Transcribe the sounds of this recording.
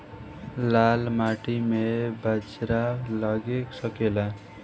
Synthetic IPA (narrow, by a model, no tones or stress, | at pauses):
lalmaʈimebad͡ʒɾalaɡeksʌkela